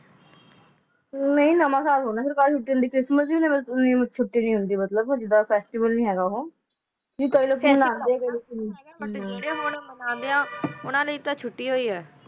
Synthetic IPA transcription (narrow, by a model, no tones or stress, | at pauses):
neĩːnəmãːsaːlɦoːnaːpɪɾkaːlt͡ʃʰʊʈːiːɦʊnd̪iːkɾɪsməsĩːnẽːmənĩːmt͡ʃʰʊʈːiːnĩːɦʊnd̪iːmət̪ləbd͡ʒɪd̪ːaːpʰɛːsʈɪbəlnĩːɦɛːɡaːoɦoː | kiːkəiːləkːoːmənãːnd̪eːɛːkəiləkːonːeɽẽːɦonmənãːnd̪eãːʊnãːləiːt̪ãːt͡ʃʰʊʈːiːɦoːiːɦɛː